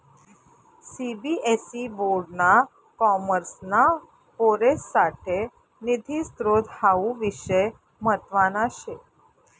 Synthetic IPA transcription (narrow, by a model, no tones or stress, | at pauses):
sibiʔesiboɾɖna | kɔməɾsna | poɾesːaʈʰe | nid̪ʱist̪ɾod̪ʱhaʋũʋiʃəj | mət̪ʋanaʃe